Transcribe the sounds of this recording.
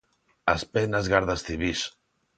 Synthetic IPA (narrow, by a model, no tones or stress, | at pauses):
aspɛnazɣaɾðast̪iβis